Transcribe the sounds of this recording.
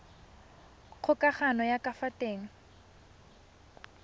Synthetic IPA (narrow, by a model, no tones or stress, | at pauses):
k͡xʰʊkʼaχanɔjakʼafatʼeːŋ̩